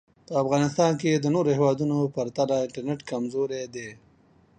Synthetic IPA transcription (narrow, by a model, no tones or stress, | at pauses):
pəafɣɑnɪst̪ɑnk̬ed̪ənoɾohewɑd̪unopaɾt̪alaɪɳʈaɾneʈkamzoɾed̪e